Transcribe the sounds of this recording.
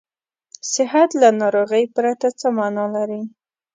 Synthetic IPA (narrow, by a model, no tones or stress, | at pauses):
sɪɦat̪lanɑɾoɣəjpɾat̪at͡səmɑnɑlaɾi